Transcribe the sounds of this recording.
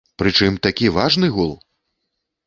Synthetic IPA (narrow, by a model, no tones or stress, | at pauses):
pɾɨt͡ʂɨmt̪akʲivaʐnɨɣulˠ